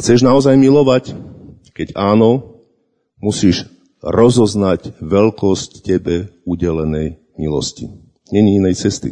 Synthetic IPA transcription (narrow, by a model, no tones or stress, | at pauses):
xt͡sɛʒnaɔzajmilɔʋac | kɛɟaːnɔ | musiːʒ | ɾɔzɔznaɟʋɛlkɔsccɛbɛuɟɛlɛnɛj | milɔ̰scḭ | ɲɛɲiinɛjt͡sɛst̪ḭ